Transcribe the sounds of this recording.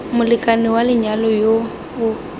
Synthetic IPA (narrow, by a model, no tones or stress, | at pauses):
mʊlɪkʼanɪwalɪɲalɔjo | ʊ